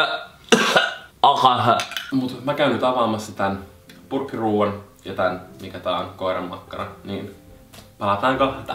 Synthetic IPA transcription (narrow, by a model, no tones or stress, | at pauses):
ɑkɑɦmut̪mækæynyt̪ɑʋɑːmɑsːɑt̪æn | purkːiruːʋɑn | jɑt̪ænmikæt̪ɑːonkoiɾɑmːɑkːɑnɑniːn | pɑlɑt̪ɑːŋkot̪ɑ